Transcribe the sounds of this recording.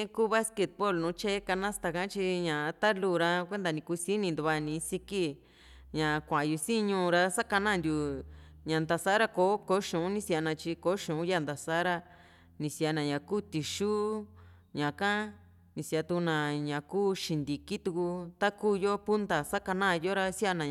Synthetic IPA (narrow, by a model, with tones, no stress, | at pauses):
ẽ˦kuː˦βa˦ske˧t̪̚po˦˨lnũː˨˦t͡ʃe˦ka˧nã˦st̪a˧kã˦t͡ʃi˧ɲã˨˧t̪a˦luː˦˨ɾa˧kʷe˦nd̪a˧nĩ˧ku˧si˦nĩ˧nd̪u˧βa˧nĩ˨˧˦si˧ki˦ | ɲã˨˧kʷã˨˧ju˧si˦ɲũ˧ɾa˧sa˦ka˧nã˦˨nd̪ʲju˨ | ɲã˨nd̪a˧sa˦ɾa˦ko˨˦ko˧˦ʃũ˨ũ˦nĩ˦sa˧nã˧t͡ʃi˧ko˨˦ʃũ˨ũ˦ja˦˨nd̪a˨sa˦ɾa˧ | nĩ˧si˧a˧nã˨ɲã˨kuː˦t̪i˨ʃuː˦ | ɲã˨kã˦ | nĩ˧sja˧t̪u˧u˧nã˨ɲã˨kuː˦ʃi˧nd̪i˨ki˦t̪u˧ku˧t̪a˦kuː˦˨jo˦pu˦nd̪a˨sa˦ka˧nã˦˨˧jo˦ɾa˧si˦a˧nã˨